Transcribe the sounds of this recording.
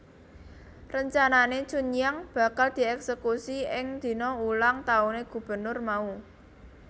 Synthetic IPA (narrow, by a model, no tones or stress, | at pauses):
rəɲt͡ʃananet͡ʃuɲjaŋb̥ä̤kald̪̥i̤ɛksəkusiɪŋd̪̥i̤nɔulaŋt̪auneɡ̥ṳb̥ə̤nʊrmau